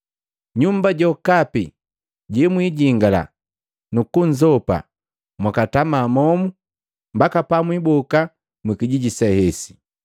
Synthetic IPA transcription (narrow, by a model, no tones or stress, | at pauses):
ɲumbaɟɔkapḭ | ɟɛmwiɟiŋɡala̰ | nukuɲd͡ʒɔpa̰ | mwakatamaːmɔmu | mbakapamwibɔka | mwikiɟiɟisɛhɛsi̥